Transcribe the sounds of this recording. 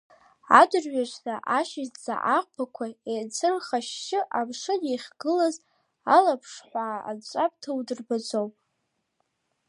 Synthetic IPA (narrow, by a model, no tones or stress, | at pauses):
a̰dɨrɥaʒʷnaʔaʃɪzd͡za̰ʔaqʷʼpʰakʷʰaet͡sʰɨrχaʃʃɪʔabʂɨneχʲɡ̥ɨlaz | alapʰʂħʷa̰ːt͡ʃʷʼapʼtʰawdɨrbad͡zowpʼ